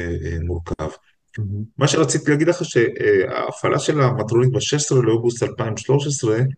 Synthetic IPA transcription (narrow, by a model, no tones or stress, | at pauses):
emuʁka̰v | maʃeʁat͡sit̪ilaːɡid̪leχaʃe̞ʔa̰ːfalʔaʃe̞lamat̪ʁonit̪beʃeʃe̥sʁeleo̞ɡustalpaimʃlo̞ʃesʁe̞